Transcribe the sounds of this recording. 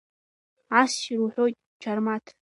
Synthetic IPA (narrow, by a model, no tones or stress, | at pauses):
asʃiɾuħʷojtʼ | d͡ʒʰarmatʰ